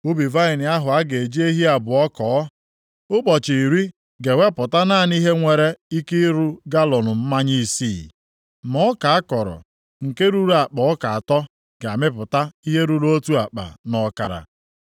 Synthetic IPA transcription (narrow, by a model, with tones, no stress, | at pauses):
u˦bi˨va˦ɪ˨nɪ˨a˦ɦʊ˨a˦ɡe˨e˨d͡ʒi˦e˦ɦi˦a˨bʊ˨ɔ˦kɔː˨˦ | ʊ˦k͡pɔ˨t͡ʃi˨ɾi˦ | ɡe˨we˦pʊ˨ta˦na˦˨ni˦ɦe˦ŋʷe˨ɾe˦i˦ki˦ɾu˦ɡa˦lɔ˨nʊ˨m̩˦ma˦ɲi˦siː˦˨ | mɔ˦ɔ˦ka˨a˦kɔ˨ɾɔ̰˨ | ŋ̩˨ke˦ɾu˦ɾu˦a˨k͡pɔ˨ɔ˦ka˨a˨tɔ˦ | ɡ̥a˨mɪ˦p̬ʊ˨ta˦i˦ɦe˦ɾu˨lo˦tu˦a˨k͡pa̰˨nɔ˦ka̰˨ɾa̰˨